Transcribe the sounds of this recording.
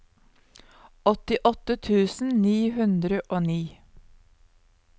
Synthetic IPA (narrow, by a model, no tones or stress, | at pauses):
ɔt̪ɪʔɔt̪ət̪ʰʉːsn̩niːhʉnd̪ɾəʔoːniː